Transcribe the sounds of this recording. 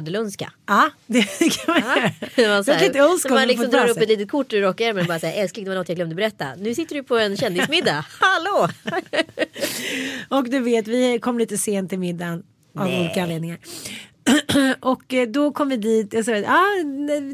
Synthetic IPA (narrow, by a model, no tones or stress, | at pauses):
d̪əlœnska̰ɑːd̪ɛkʰamanjɾnɛmansalit̪əœnsk̪ːmalɪkpɔɔd̪ɑːɾɵɛt̪liːt̪ət̪̚kʰʊʈːɾɔkːaɛɾmɛnbɑːɾasaːaʔɛlskaɪŋd̪ɛvanɔnːjaɡlɛmd̪ɔbɛɾɛt̪ːa̰nʉ̟ːsɪt̪ːəɖɵpʰɔɛnɕɛnd̪ɪsmɪd̪ːahaloː | ɔkd̪ɵveːt̪vɪkʰɔmːliːt̪əseːnt̪ʰːɪlmɪd̪ːan | avuːliːkaanleːd̪nɪŋaɾ | ʔɔkd̪ɔkʰɔmːəvɪd̪iːt̪asɔɑː